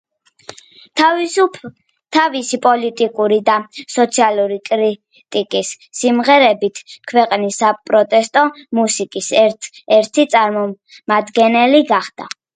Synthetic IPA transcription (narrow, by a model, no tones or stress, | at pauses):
tʰ | t̪ʰavisipʼɔlit̪ʼikʼuɾid̪asɔt̪sʰialˠuɾikʼɾi | t̪ʼikʼisː | imʁɛɾɛbit̪ʰkʰwɛqʼnisːapʼɾɔt̪ʼɛst̪ʼɔmusikʼisɛɾt̪ʰit̪sʼaɾmɔ | mad̪ɡɛnɛliɡaχd̪̥a̰